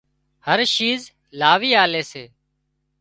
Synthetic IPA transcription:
həɾʃiːz | laːʋiːaːleːseː

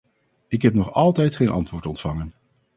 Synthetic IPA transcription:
ɪkɦɛpnɔχɑlˠtɛjtχeːjnʔɑ̰ntʋʊːɹtɔntfɑŋən

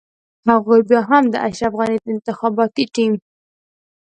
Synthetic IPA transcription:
haɣujbjɑɦamd̪əʔaʃɾafɣɑnid̪əɪnt̪ɪxɑbɑt̪iʈim

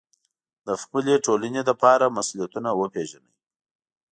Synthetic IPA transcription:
d̪̥əxpəleʈolaned̪əpɑɾamasulijat̪unawəpeʒanə̰j

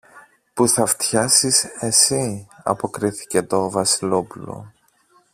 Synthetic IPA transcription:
puθɐft̪çɐsise̞siɐ̰po̞kɾiθi̥ce̞t̪o̞vɐsilo̞pulo̞̰

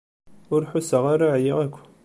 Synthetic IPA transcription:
ʊɾħʊsəʁaɾaʕjiʁækʷː

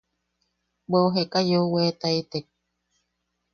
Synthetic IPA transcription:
beoɦekajowet̪ait̪ek̚

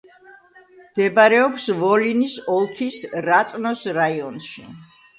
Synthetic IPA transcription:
md̪̥ɛbaɾɛɔpsvɔlinisɔlˠkʰisɾat̪ʼnɔsɾaiɔnʃḭ

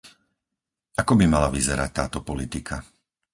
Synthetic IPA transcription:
akɔbimalaʋizɛɾac̚t̪aːt̪ɔpɔlit̪ikʰa

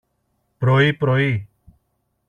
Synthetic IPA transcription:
pɾoːiːpɾoːiː

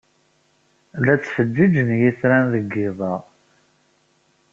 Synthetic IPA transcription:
læt͡sːfəd͡ʒːid͡ʒənjiθɾænðəɡːɪðˤɑ

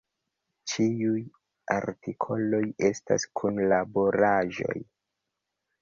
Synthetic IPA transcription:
t͡ʃiuj | a̰ɾtikʰo̞lo̞je̞sta̰skʰunlabo̞ɾaʒo̞̰j

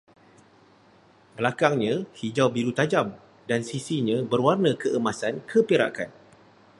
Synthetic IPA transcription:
bəlakaŋɲãhid͡ʒawbiɾut̪ad͡ʒam | dansisiɲãbərwarnãkəʔəmasankʰəpeɾa̰kan

